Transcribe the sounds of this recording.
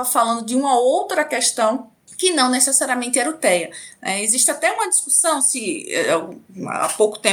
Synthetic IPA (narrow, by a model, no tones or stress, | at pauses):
ɐfalɐ̃nd̪ʊd̪ɪũmɐowt̪ɾɐkɛʃt̪ɐ̃w̃ | kɪnɐ̃w̃nɛsɛsaɾiɐmẽnt̪ɪɛɾut̪ɛjɐnɛeziʃt̪ɪat̪ɛũmɐd̪iskusɐ̃w̃sɪɛ̰aa̰powkʊ̥t̪ẽ